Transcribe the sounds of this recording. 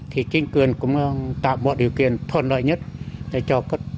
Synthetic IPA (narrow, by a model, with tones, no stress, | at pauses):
t̪ʰi˧˩ki˧˦ŋkɨ˧ənkʊ˧mɔ˧ŋt̪aː˧˨ɓo˧t̚ɗi˧˨wki˧ənt̪ʰo˧ənlɔ˧˨jɲɨ˦˥t̪̚t̪a˧˩t͡ɕɔ˧kə˦˥t̚